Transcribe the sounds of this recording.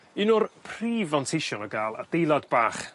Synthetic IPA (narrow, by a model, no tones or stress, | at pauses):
inʊrpʰriːvantʰɪʃɔnɔɡaːlˠa̰d̥ejlˠadbaːχ